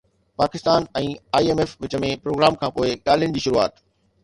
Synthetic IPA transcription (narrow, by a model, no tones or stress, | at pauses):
paːkɪst̪aːnɛ̃ːaːieːmeːfʋɪt͡ɕə̆mẽpɾoːɡɾaːmkʰãːpoːɪɠaːl̤ijəñɪ̆d͡ʑiːʃʊɾua̰ːt̪